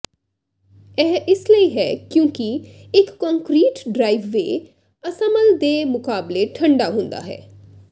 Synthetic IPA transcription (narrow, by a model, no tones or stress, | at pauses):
ɛːɪsləiɦɛːkjõːkiɪkːɔ̃ŋkɾiːʈɖɾaːɪʋːḛː | əsəməld̪eːmʊkaːbleʈʰəɳɖaːɦʊ̃nd̪a̰ːɦɛ̰ː